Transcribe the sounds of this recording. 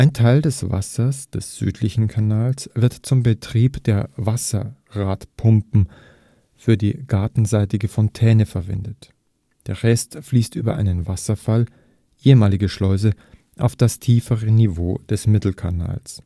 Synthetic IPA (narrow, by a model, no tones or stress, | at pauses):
ʔaɪntʰaɪldɛsv̥a̰sɐsd̥ɛsz̥yːtʰlɪçn̩kʰanaːlsv̥ɪɐtt͡sʊmbətʁ̥iːpd̥eːɐvasɐ̰ | ʁaːtpʰʊmpm̩ | fyːɐdiːɡaɐtn̩zaɪtɪɡəfɔntʰɛːnəfɛɐvɪ̰ndət | d̥eːɐʁɛstfliːstʔy̰ːbɐ̰ʔa̰ɪnənvasɐfal | ʔeːəmaːlɪɡəʃlɔʏzə | ʔa̰ʊfd̥astʰiːfəʁənivoːd̥ɛsmɪtl̩kʰana̰ːls